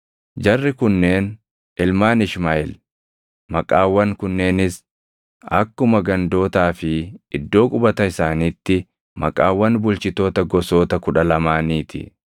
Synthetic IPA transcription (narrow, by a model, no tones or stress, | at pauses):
d͡ʒɐrːɪkʊnːe̞ːn | ʔɪlmaːnɪʃmaʔɪl | mɐkʼaːwːɐŋkʊnːe̞ːnɪs | ɐ̰kːʊmɐɡɐnd̪o̞ːt̪aːfɪɪd̪ːo̞ːkʼʊbɐt̪ɐɪsaːniːt̪ːɪ | mɐkʼaːwːɐnbʊlt͡ʃɪt̪o̞ːt̪ɐɡɔsoːt̪ɐkʊᶑɐlɐmaːniːt̪ɪ̰